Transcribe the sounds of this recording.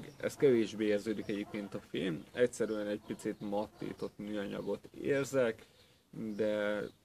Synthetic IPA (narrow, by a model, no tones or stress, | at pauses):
ɡɛ̰st̪̚kɛveːʒbeːɛrzøːd̪ikɛɟeːp̚keːnt̪ɒfeːnɛcsɛɾyɛnɛɟpit̪sit̪mɒt̪ːḭːt̪o̞t̪nyːɒɲɒ̰ɡo̞t̪ḛːrzɛk | d̪ɛ